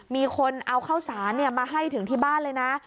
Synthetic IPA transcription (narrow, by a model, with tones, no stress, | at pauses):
miː˧kʰo˧nʔa˧wkʰa˥˩wsaː˩˦nːi˥˩ɐmaː˧ɦa˥˩jt̪ʰɯ˨˩˦ŋt̪ʰiː˥˩baː˥˩nlɤː˧jna˦˥